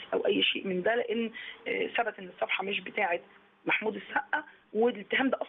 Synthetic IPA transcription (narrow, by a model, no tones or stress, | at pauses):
ʔæwʔæjːʃeːʔmend̪æleʔenːsæbæt̪ʔenːesˤːɑfħɑmeʃ̬bet̪aːʕet̪ | maħmuːd̪esːæʔːæ | welet̪ːeɦæːmd̪æʔɑsˤ